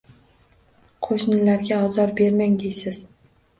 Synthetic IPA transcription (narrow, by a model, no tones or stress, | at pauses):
qʰoʃnɪlaɾɡʲaɒzɒɾbe̞ɾmaŋd̪ejsɪz̥